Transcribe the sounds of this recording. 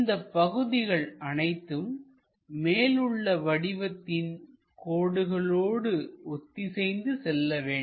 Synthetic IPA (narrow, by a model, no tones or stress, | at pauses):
nd̪ɐpːɐɣɯðɪɣɐɭɐnɐɪt̪ːɯmː | eːlɯɭːɐʋɐɽɪʋɐt̪ːɪn | koːɽɯɣɐɭoːɽɯɔt̪ːisɛjnd̪ɯsɛlːɐʋeːɳ